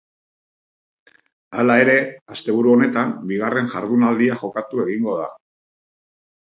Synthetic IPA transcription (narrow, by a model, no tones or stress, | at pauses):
alae̞ɾe̞ast̪e̞β̞uɾuo̞ne̞t̪ambiɣ̞are̞nʝaɾðunald̪iaʝo̞kat̪ue̞ɣiŋɡo̞ða̰